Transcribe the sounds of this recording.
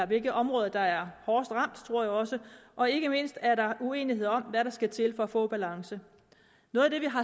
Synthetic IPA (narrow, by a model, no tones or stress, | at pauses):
ʋe̝lɡ̥əʔɒ̽mʁɔ̽ːð̞ˠɐd̥ɑ̈æɐhɒːsd̥ʁɑ̈m̰d̥t͡sʰʁo̝ɐ̰jɑ̈ɪɒ̽səʔɒ̽e̝ɡ̥əme̝n̰sd̥æɐɾɑ̈ʔue̝̰ːnihe̝ð̞̰ˠɒ̽m̰ʋæɾɑ̈sɡ̥æt͡sʰe̝lfɒ̽æfɔ̰̽ːb̥ælɑ̈ŋsə | noɔːðˠæd̥e̝ʋiɦɑ̈